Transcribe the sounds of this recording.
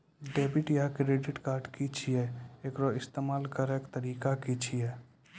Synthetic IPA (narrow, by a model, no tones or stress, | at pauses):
ɖeːbɪʈjakɾeːɖɪʈkaːɾɖkit͡ʃʰiɛekɾɔɪst̪eːmaːlkəɾekt̪əɾiːkakit͡ʃʰiɛ